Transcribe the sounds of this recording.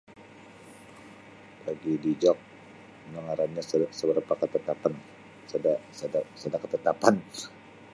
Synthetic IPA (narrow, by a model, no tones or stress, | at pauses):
laɡidid͡ʒɔk̚ | məŋaɾanɲassəbəɾpakət̪ət̪apan | dasadasadakət̪ət̪apan